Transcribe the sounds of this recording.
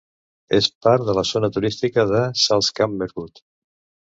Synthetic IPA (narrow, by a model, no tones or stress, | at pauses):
espaɾðələzonət̪uɾist̪ikəðəsalˠskamːəɾɣut̪